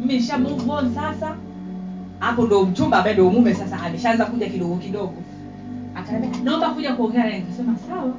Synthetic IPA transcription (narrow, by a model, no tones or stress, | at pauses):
m̩minʃamuvɔnsasa | apɔndɔm̩t͡ʃumbambaɛndɔɔmumɛsasaːmɛʃaanzakuʄakiɗɔɡɔkiɗɔɡɔ | akasɛmɛnaɔmbakuʄakuɔŋɡɛaɾaɛntasɛmasawa